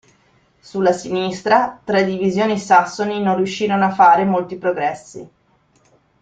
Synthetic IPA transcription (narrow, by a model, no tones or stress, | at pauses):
sulːasinist̪ɾat̪ɾad̪ivizjoːnisasːoninonrjuʃːiːɾonoafːaːɾemolt̪ipɾoɡɾɛsːḭ